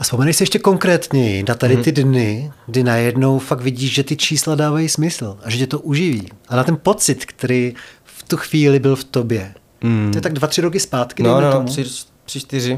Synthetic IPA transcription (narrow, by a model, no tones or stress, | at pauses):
ʔaspomɛnɛjsɪjɛʃcɛko̞ŋkɾɛːt̪ɲɛjɪdat̪adɪt̪ɪdnɪɡdɪnajɛdno̞wfakvɪɟiːʃʒɛt̪ɪt͡ʃiːsladaːvajismɪsl̩ʔaʒɛcɛt̪o̞ʔuʒɪvḭːʔanat̪ɛnpo̞t͡sɪt̪kt̪ɛɾiː | ft̪uxviːlɪbɪlft̪o̞bjɛ | t̪oɛt̪aɡ̚dvat̪r̝̥ɪɾo̞k̬ɪspaːt̪kɪdɛt̪oɪ | pr̥ɪt͡ʃt̪ɪɾɪ